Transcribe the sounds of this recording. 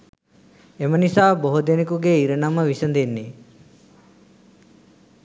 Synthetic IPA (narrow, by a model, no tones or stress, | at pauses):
emənisaːboɦod̪enekuɡeiɾənaməʋisənd̪enːe